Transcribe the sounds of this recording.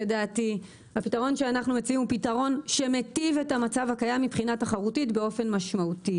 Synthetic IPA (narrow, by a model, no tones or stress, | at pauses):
jedaːti | hapitaʁo̞nʃeanaχnumet͡siimupitaʁo̞nʃe̞me̞tive̞tamat͡savhakajamːipχinataχaʁutitbe̞o̞fe̞nmaʃmauti